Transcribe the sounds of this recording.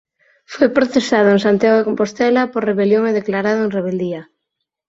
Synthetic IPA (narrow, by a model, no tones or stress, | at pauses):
fojpɾoθesað̞ʊeŋsant̪jaɣoekompost̪ɛlapoɾreβeljoŋeðeklaɾaðʊẽŋreβ̞eld̪ia